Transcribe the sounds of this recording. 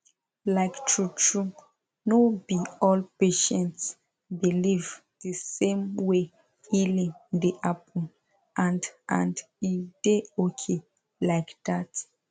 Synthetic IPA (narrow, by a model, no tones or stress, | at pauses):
laɪktʰɹut͡ʃɹu | nobiɔlpeʃɛ̃nts | biliv | dəsẽmwe | ilĩdeʔapʰɔ̃n | ʔãndʔã̰nd | ideokʰe | laɪkdat